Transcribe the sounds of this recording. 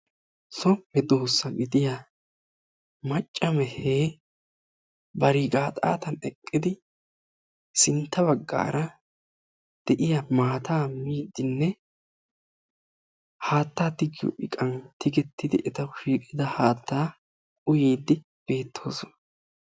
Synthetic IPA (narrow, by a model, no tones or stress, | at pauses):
sɔɛd̪oːsːɐɡɪd̪ɪja | mɐt͡ʃʼːɐmɛheː | bɐɾiːɡaːt̪ʼa̰ːt̪ɐnɛkʼːɪd̪ɪ | sɪnt̪ːɐbɐɡːa̰ːɾɐ | d̪̥ɛʔɪjɐmaːt̪ʰaːmiːd̪ːɪnːɛ | haːt̪ːaːt̪ɪɡɪjɔ̰ʔɪkʼɐnt̪ɪɡɛt̪ːɪd̪ɪʔɛt̪ɐʃiːkʼɪd̪ɐhaːt̪ʰːaː | ʊjiːd̪ːɪ | b̥e̞ːt̪ʰːo̞ːsɔnɐ